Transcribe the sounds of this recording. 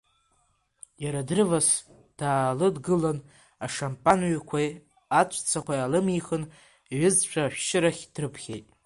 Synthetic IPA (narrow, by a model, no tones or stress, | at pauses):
jaɾadrɨvas | d̥aːlɨdɡɨlan | aʂampʼanɥakʷʰaj | at͡ʃʷʰʼt͡sʰakʷajalɨmiχɨn | ɥɪzt͡ʃʷʰaʃʷᶣʃɪɾaχʲd̥rɨpʰχʲḛjtʼ